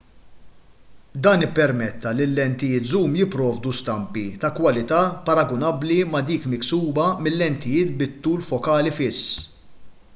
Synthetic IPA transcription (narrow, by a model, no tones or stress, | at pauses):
d̪ɐːnɪpːɛɾmɛt̪ːɐlɪlːɛnt̪ɪjɪːt̪zuːmjɪpːɾɔːvd̪ust̪ɐmpit̪ɐkwɐlɪt̪ɐːpɐɾɐɡʊnɐbːlimɐd̪iːkmɪksuːbɐmɪlːɛnt̪ɪjɪːt̪bɪt̪ːuːlfɔkɐːlifɪsː